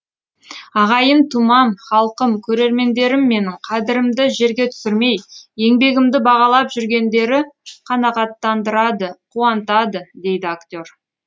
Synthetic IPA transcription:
ɑʁɑjənt̪ʰumɑmχɑlˠqəmkʲʰɵɾe̞ɾme̞nd̪e̞ɾɪmːe̞nɪɴqʰɑd̪ɪɾɪmd̪ɪʒe̞ɾɡʲe̞t̪ʰʏ̥sɪɾme̞jje̞ŋbe̞ɡʲɪmd̪ɪbɑʁɑlˠɑpʒʏɾɡʲe̞nd̪e̞ɾɪqʰɑnɑqɑt̪ːɑnd̪əɾɑd̪əqʰuɑnt̪ɑd̪əd̪e̞jd̪ɪakt̪ʲo̞ɾ

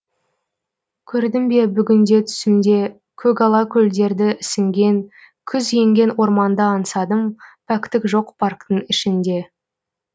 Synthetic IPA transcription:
kʲʰɵɾd̪ɪmbe̞bʏɡʲɪnd̪e̞t̪ʰʏ̥sɪnd̪e̞ | kʲʰɵɡɑlˠɑkʲʰɵld̪e̞ɾd̪ɪɪsɪŋɡʲe̞ŋ | kʲʰʏzje̞ŋɡʲe̞nwo̞ɾmɑnd̪əɑnsɑd̪əmpʰækt̪ɪkʒo̞qpʰɑrkt̪əŋɪʃɪnd̪e̞

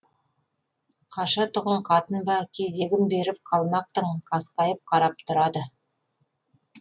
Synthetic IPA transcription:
qʰɑʃɑt̪ʰʊʁəɴqʰɑt̪ənbɑkʲʰe̞ze̞ɡʲɪmbe̞ɾɪp̚qʰɑlˠmɑq̚t̪əɴqʰɑsqɑjəp̚qʰɑɾɑp̚t̪ʰʊɾɑd̪ə

